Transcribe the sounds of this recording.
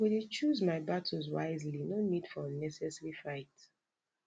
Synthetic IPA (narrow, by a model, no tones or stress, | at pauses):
wudit͡ʃuzmaɪbatʰɔzwa̰ɪzlinonid̥fɔənɛsɛsɹifaɪt